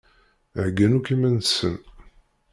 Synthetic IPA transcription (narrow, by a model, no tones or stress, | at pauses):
ʕɡənukimænsːən